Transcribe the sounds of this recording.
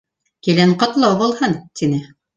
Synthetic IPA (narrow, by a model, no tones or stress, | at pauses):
kilæɴqɑ̆t̪lˠɑwbɑlˠhɤnt̪inɘ